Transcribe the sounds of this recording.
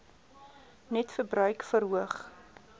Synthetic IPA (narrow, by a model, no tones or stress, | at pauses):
nɛtfərbɾœɥkfəɾɦuəχ